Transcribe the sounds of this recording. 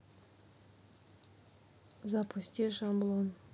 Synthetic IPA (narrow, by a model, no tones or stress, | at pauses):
zɑpusʲtʲiʃɑmblˠon